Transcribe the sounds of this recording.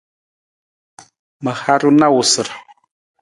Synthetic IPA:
mə˨ha˦ɾu˦na˦wu˨sə˨ɾ

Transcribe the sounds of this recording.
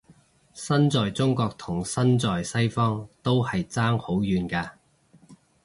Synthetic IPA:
sɐ˥nt͡sɔː˨jt͡sʊ˥ŋkɔː˧k̚t̪ʰʊ˨˩ŋsɐ˥nt͡sɔː˨jsɐ˥jfɔː˥ŋt̪o˥whɐ˨jt͡saː˥ŋho˨˥wjyː˨˧nkaː˧

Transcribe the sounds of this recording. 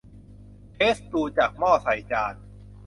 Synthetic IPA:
pʰeː˦˥st̪uː˧t͡ɕa˨˩k̚mɔː˥˩sa˩˦jt͡ɕaː˧n

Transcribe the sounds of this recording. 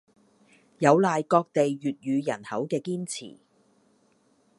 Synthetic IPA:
jɐ˨˧wlaː˨jkɔː˧k̚t̪e˨jːyː˨t̚jyː˨˧jɐ̰˨˩nhɐ˨˥wkɛː˧kiː˥nt͡sʰḭː˨˩

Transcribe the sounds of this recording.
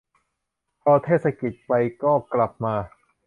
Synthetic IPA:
pʰɔː˧t̪ʰeː˥˩t̪̚sa˧ki˨˩t̪̚pa˧jkɔː˥˩kla˨˩p̚maː˧

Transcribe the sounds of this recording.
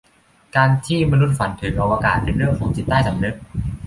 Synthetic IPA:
kaː˧nt̪ʰiː˥˩ma˧nu˦˥t̪̚fa˩˦nt̪ʰɯː˩˦˥ŋʔa˧waː˧kaː˨˩t̪̚pe˧nɾɯ˥˩əŋkʰɔː˩˦ŋt͡ɕi˨˩t̪ːaː˥˩jsa˩˦mnɯ˦˥k̪̚

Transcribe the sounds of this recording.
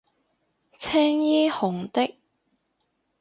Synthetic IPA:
t͡sʰɛː˥ŋjiː˥hʊ˨˩ŋt̪ɪ˥k̚

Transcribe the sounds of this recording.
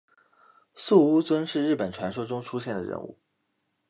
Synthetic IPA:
su˥˩u˥t͡swə˥nʂɻ̩˥˧ɻ̩˥˩pə˨˩nʈ͡ʂʰwa˧˥nʂo˥ʊʈ͡ʂʊ˥ŋʈ͡ʂʰu˥ɕjɛ˥˩nd̪ə˩ɻə̰˧˥nṵ˥˩

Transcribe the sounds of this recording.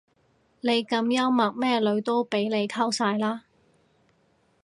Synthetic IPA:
ne˨˧jkɐ˧mjɐ˥wmɐ˨k̚mɛː˥lɵ˨˧ɥt̪o˥wpe˨˥jle˨˧jk̪ʰɐ˥wsaː˧jlaː˥

